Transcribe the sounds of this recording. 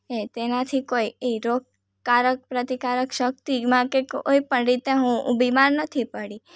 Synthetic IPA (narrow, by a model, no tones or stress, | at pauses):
et̪enat̪ʰikoieɾoɡ̚ | kaɾək̚pɾət̪ikaɾəkʃək̚t̪imãkeko̰ipəɳɾit̪eɦũbimaɾnət̪ʰipəɽi